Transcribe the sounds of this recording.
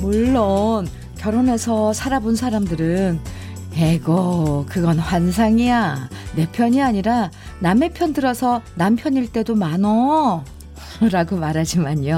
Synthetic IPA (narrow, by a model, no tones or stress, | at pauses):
muɭːon | kjʌɾone̞sʰʌsʰaɾabonsʰaɾamdɯɾɯn | eɡʌkɯɡʌnɸwans̬ʰaŋiane̞pʰjʌɲiaɲiɾa | name̞pʰjʌndɯɾʌsʰʌnampʰjʌɲiɭt͈e̞domanʌ | ɾaɡomaɾɦad͡ʑimaɲo